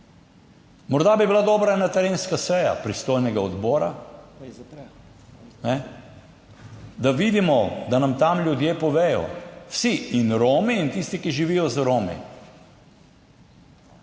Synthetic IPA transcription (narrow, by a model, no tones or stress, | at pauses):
mɔɾd̪abibilad̪ɔːbɾaɛnat̪ɛɾeːnskasɛja̰pɾist̪oːjnɛɡaɔd̪bɔːɾa | nɛ | d̪aʋid̪imɔd̪anamt̪amlʲjud̪jeːpɔʋeːjɔ̰wsiinɾoːmiːnt̪ist̪ikiʒiʋijɔzɾoːmḭ